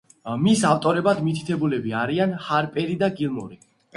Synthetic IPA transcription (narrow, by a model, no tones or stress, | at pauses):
misaft̪ʼɔɾɛbad̪mit̪ʰi̥t̪ʰɛbulɛbiaɾianhaɾpʼɛɾid̪aɡilˠmɔ̰ɾi